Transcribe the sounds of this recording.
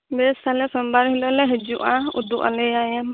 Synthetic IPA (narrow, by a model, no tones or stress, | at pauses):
bɛstʰalɛsɔmbaɾɦilɔlɛɦɛd͡ʒuʔãud̪uʔa̰lɛjajɛm